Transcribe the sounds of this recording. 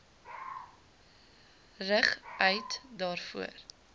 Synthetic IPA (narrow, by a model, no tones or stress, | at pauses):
rəχœɥtdɑːrfṵə̰r